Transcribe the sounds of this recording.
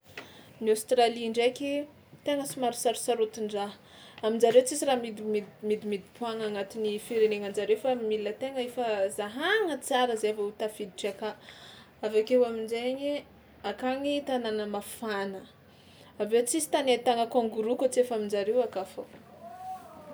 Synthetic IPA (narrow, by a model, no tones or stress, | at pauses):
niost̪ɾaliɳɖ͡ʐekʲi | t̪eŋəsimaɾisaɾusaɾut̪iɳɖ͡ʐaɦ | amind͡zaɾewt͡sisiɾamid̪imimid̪imid̪ipuaŋaŋat̪inifiɾeneŋand͡ʒaɾewfamilət̪eŋəefəzaɦaŋət͡saɾəzaavaut̪afid̪iʈ͡ʂaka | avakewaminzeɲi | akaŋit̪ananəmafanə | avet͡sisi̥t̪anet̪aŋəkoŋɡuɾukot͡sefamind͡ʒaɾewakafo